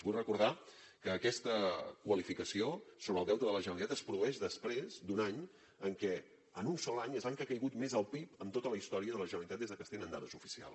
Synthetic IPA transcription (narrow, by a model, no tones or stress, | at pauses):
buʎrəkuɾða | kəːkɛst̪əkwəlifikəsiosoβɾəlˠd̪ɛwt̪əðələʒənəlit̪at̪əspɾuðuɛʃðəspɾezd̪unaɲ | əŋkɛ | ənunsɔlaɲəzaŋkakəjɣut̪mezəlˠpipəmt̪ot̪ələist̪ɔɾiəðələʒənəɾlit̪at̪ezðəkəst̪enənd̪a̰ðəzufi̥sia̰lˠs